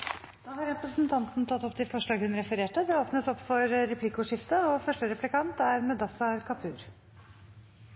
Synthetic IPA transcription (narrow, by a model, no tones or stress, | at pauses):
d̪̥ɑːhɑɾɾɛpɾəsnt̪ʰɑnt̪nt̪ʰɑt̪ːɔpːt̪ʰɪfɔʂɭɑːɡhʉnɾɛfəɾeːʈəd̪ɛoːpnəsɔpːfɔɾɾɛpʰlɪkʊʂɪft̪əɔfœʂʈəɾɛplɪkɑnt̪æɾmɛd̪ɑsɑɾkʰɑpʰʉːɾ